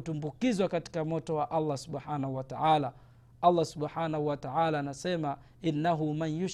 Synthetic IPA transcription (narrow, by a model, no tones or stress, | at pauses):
tumbukizwakati̥kamɔtɔwaʔalˤːasuɓħaːnahuwataʕala | alˤːasuɓħaːnahuwataʕalaːnasɛma | ʔinːaɦumanjuʃ